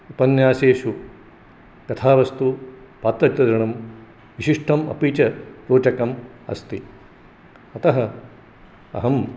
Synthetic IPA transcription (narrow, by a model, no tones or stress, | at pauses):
upɐnjaːseːʃu | kɐt̪ʰaːʋɐst̪u | paːt̪ɾɐt̪ʲːɐd̪ɾɐɳɐm | ʋiʃiʂʈʰɐmɐ̰piːt͡ʃɐpɾoːt͡ʃɐkɐm | ɐ̰st̪i | ɐt̪ɐɦɐ | ɐ̰ɦɐm